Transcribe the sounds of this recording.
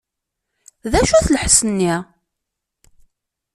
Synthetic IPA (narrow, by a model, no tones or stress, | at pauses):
ðæʃuθləħsənːi